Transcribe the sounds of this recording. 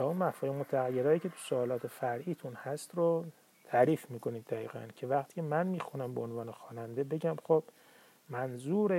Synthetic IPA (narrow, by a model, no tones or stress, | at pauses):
t̪ɒːunmæfuemot̪ʰːæɣæjːeɾɒːjiːcʲʰet̪ʰu̥soɒːlɒːt̪ʰe̞fæɾʔiːt̪ʰunhæst̪ɾo | t̪ʰæːɾiːfmiːko̞niːd̪ːæɣḭːɣæ̰ncʰe̞væqt̪ʰi̥ːcʰemænmiːxunæmbeonvɒːne̞xɒːnænd̪e̞be̞ɟʲæmxob̥ | mænzuːɾe